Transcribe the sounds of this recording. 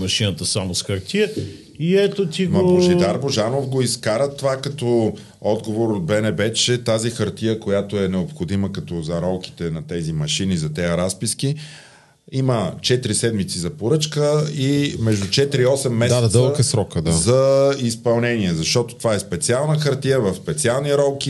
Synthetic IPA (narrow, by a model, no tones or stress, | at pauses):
mɐʃinət̪əsamosxəɾt̪ʰiə | iɛt̪ot̪iɡmɐboʒɛd̪aɾboʒanofɡoiskaɾət̪ovakɐt̪ɔ | ɔd̪ɡovoɾot̪̚bɛnɛbɛt͡ʃɛt̪azixəɾt̪ijəkojat̪oɛnɛopxod̪iməkɐt̪ɔzɐɾɔlˠki̥t̪ɛnɐt̪ɛzimɐʃinizɐt̪ɛəɾaspiski | imət͡ʃɛt̪ɾisɛd̪mit̪sizɐpoɾɤt͡ʃkəimɛʒd̪ʊt͡ʃɛt̪ɾiɔsɛmːɛsaɛɐd̪ɤlˠkəsɾɔkəd̪azɐispɐlˠnɛniɛzɐʃt̪ɔt̪o̥t̪ovaɛspɛt̪sialˠnəxɐɾt̪ijəvɐfspɛt̪sialˠniɾɔlˠki